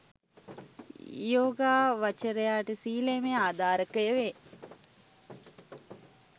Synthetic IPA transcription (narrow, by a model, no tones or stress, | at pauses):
joːɡaːʋat͡ʃəɾejaːʈəsiːlemeaːd̪aːɾəkəjəʋe